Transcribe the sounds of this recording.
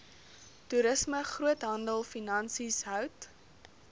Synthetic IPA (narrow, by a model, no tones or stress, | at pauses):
tuɾəsməχruətɦɐndəlˠfinɐnsisɦœwt